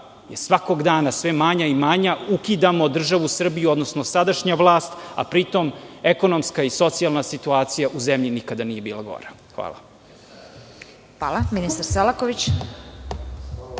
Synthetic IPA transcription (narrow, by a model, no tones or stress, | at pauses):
jesʋako̞ɡd̪aːnasʋe̞maɲaimaɲaukid̪amod̪r̩ʒaʋusr̩bijuod̪nosnosad̪aʃɲaʋlˠaːst̪a̰pɾit̪ome̞ko̞nomskaiso̞t̪sialˠnasit̪uaːt̪sijaʔuzemʎinikad̪aniːje̞biːlˠaɡo̰ɾa | xʋa̰ːlˠa̰ | xʋaːlˠaminist̪aɾselˠakoʋit͡ɕ